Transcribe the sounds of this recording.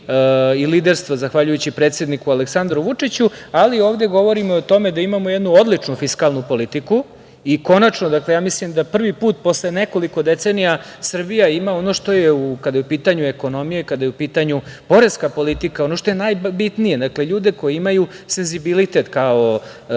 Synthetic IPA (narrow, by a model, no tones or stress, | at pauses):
iliːd̪eɾst̪ʋozaxʋaʎujut͡ɕipɾet̪sed̪nikualeksand̪ɾuʋut͡ʂit͡ɕualio̞ːʋd̪e̞ɡo̞ʋo̞ɾimoot̪o̞me̞d̪aimamojed̪nuod̪lit͡ʂnufiskalˠnupo̞lit̪iku | iko̞nat͡ʂnod̪akle̞jaːmislimd̪apr̩ʋipuːt̪̚po̞sleneko̞liko̞d̪et̪senija | sr̩bijaimaono̞ʂt̪o̞jeukad̪ajupiːt̪aɲueko̞no̞mijeikad̪ajeupiːt̪aɲupo̞ɾe̞skapo̞lit̪ikao̞noʃt̪o̞jenajbit̪nije̞d̪akle̞ʎuːd̪e̞ko̞jeimaju | se̞nzibilit̪e̞t̪kao̞